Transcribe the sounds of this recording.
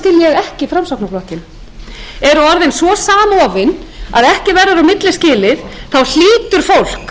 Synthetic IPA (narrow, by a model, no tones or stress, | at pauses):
cɪljɛɣɛhcɪfɾamsawknaplɔːhcɪn | ɛɾʏɔɾðɪnsvɔsaːmaɔːvɪn | aðɛhcɪvɛrːaɾawmɪt̪lɪscɪːlɪðθawl̥iːt̪ʏɾ̥fowl̥k